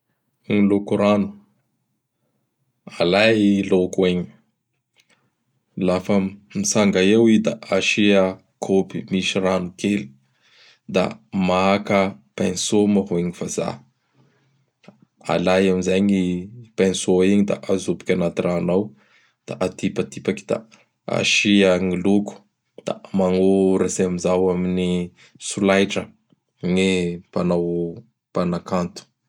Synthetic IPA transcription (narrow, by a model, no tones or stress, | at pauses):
ŋilokuɾanu̥ | alailokueɲi | lafəmisaŋɡaewid̪aaʃiə | kʰopimiʃiranukeli̥ | d̪a̰maakəpensomaɦoeɲifaza̰ | a̰lajamizajɲipansoiɲid̪a̰ʔazopi̥kʲanat̪irʔaːnaw | d̪̥a̰ʔat̪ipat̪ipaki̥d̪a̰ | a̰ʃiaŋiluku̥ | d̪̥a̰maŋoɾazeamizawamini | sulajʈ͡ʂə | ŋepanaw | panakant̪u̥